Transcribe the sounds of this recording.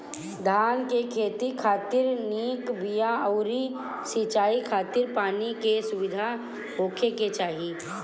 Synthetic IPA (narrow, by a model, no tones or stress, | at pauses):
d̪ʱaːnkekʰeːt̪ikʰaːt̪ɪɾniːkbijaəʊɾi | sit͡ʃaːikʰaːt̪ɪɾpaːnikesʊʋɪd̪ʱa | ɦoːkʰeket͡ʃaːɦi